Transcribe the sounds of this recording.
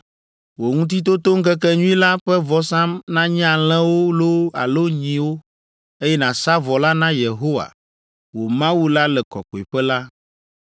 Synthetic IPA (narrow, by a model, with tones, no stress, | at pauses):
wo˨ŋũ˦t̪̬i˦t̪̬o˦t̪o˦ŋ̩˦kɛ˦kɛ˦ɲũ˦ĩ˦la˦ɸɛ˦vɔ˦sã˦mnã˦ɲ˦ã˨l̃ɛ̃˦wo˦lo˦a̰˨lo˦ɲĩ˨wo˦ | e˦jɛ˦nã˨sa˦vɔ˨la˦nã˦je˨ɦo˦wa̰˨ | wo˨mã˦wu˦la˦lɛ˨kɔ̰˨kɔ˨i˨ɸɛ˦la˦